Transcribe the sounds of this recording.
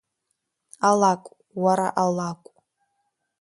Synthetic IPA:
alakʷʼ | waɾaʔalakʷʼ

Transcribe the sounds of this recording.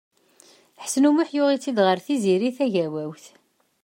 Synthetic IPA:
ħəsnumʊħjʊʁit͡sːid̪ʁəɾθiziɾiθæʝæwæwθ

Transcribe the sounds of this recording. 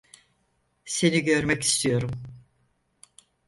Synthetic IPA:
se̞niɟø̞ɾmɛci̥st̪ʰijo̞ɾum

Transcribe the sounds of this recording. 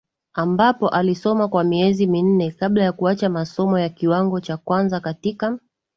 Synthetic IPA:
ambapɔʔalisɔmakwamiɛzimin̩nɛkaɓlajakuat͡ʃamasɔmɔjakiwaŋɡɔt͡ʃakwanzakatika

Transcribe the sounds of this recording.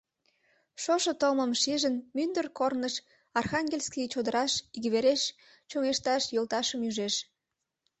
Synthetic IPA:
ʃoʃŏt̪əlməmʃiʒənmynd̪ərkornəʃ | ɑrxɑŋɡʲelʲskit͡ɕod̪əɾɑʃiɡβeɾeʃ | t͡ɕoŋeʃt̪ɑʃjolt̪ɑʃəmyʒeʃ

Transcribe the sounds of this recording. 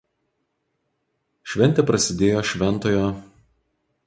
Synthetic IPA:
ʃʲʋʲɛnʲt̪ʲɛˑpɾɐsʲɪd̪ʲeːjoːʃʲʋʲɛnt̪oːjoː

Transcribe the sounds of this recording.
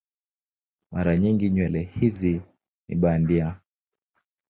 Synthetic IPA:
maɾaɲiŋɡiɲwɛlɛhizi | nḭɓandia

